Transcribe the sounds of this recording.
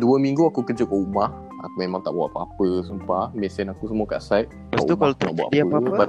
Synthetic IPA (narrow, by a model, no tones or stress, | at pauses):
duəmĩŋɡuakukəd͡ʒəkaʔumah | a̰kumẽmãŋt̪aʔbawa̰ʔapapəsumpamɛsɛnakusəmuaka̰ʔsajt̚kaa̰t̪umkalat̪unaʔbua̰ʔəba